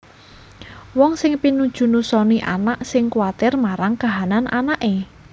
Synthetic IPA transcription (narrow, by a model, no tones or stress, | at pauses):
wɔŋsɪŋpinu̥ʒ̥ṳnusɔniʔa̰naʔsɪŋkwat̪ɪrmaɾaŋkaɦananʔa̰naʔe